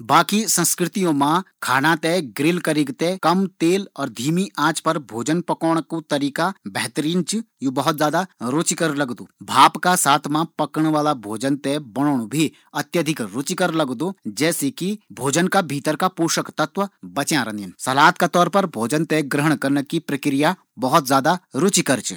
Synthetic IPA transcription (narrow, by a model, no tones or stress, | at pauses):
baːkisɐ̃nskɾɪt̪ijõmãkʰaːnat̪eɡɾɪlkɐɾɪɡt̪ekɐmt̪eːlɔːɾd̪ʱiːmiʔãːt͡ʃpɐɾbʱoːd͡ʒənpɐkɔːɽ̃kut̪ɐɾiːkabɛɦt̪əɾiːnt͡ʃ | juːbɐɦʊt̪zjaːd̪aɾot͡ʃikəɾlɐɡd̪oːbʱaːpkasaːt̪ʰmãpɐkəɽ̃ʋaːlabʱoːd͡ʒənt̪ɛbɐɽ̃oːɽ̃bʱi | ɐt̪jəd̪ʱɪkɾʊt͡ʃikəɾlɐɡd̪oːd͡ʒɛːsekibʱoːd͡ʒənkabʱiːt̪əɾkapuːʃəkt̪ɐt̪ʋəbɐt͡ʃjãɾɐ̃ninsɐlaːt̪kat̪ɔːɾpɐɾbʱoːd͡ʒənt̪eɡɾəɦəɳ̃kɐɾnəkipɾɐkɾɪja | bɐɦʊt̪zjaːd̪aɾʊt͡ʃikəɾt͡ʃ